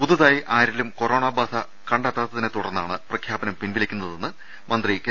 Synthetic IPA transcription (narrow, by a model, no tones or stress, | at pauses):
puðɐðaːjiʔaːɾilumko̞ɾo̞ːɳaːbaːsɐ | kɐɳɖaːt̪ːaːt̪ːɐðinet̪uɽɐrnːaːɳɨprɐkʰjaːbɐnɐmpinʋilɐkʲːunːɐðe̞nːɨ | mɐnd̪rike